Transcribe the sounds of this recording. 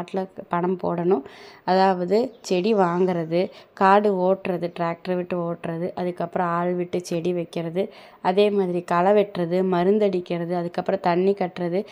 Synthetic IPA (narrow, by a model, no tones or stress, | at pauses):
ʈːɪlɐpɐɳɐmpo̰ːɽɐnʊ̃ɐðaːʋɐðɯt͡ʃɛɽiʋaːŋɡɪɾɐðɯkaːɽɯoːʈɾɐðɯʈɾaːk̚ʈɐɾʋɪʈːɯoːʈːɾɐðɯʔɐðɯkːɐpːɯɾɐ̃aːɭʋɪʈːɯt͡ʃɛɽiʋɐɪkːɪɾɐðɯ | ɐðeːmaːðɪɾikɐlɐʋɛʈrɐðɯmɐɾɯnd̪ɐɽɪkːɪɾɐðɯɐðɯkːɐpːɯɾɔ̃t̪ɐɳːikɐʈːɾɐðɯ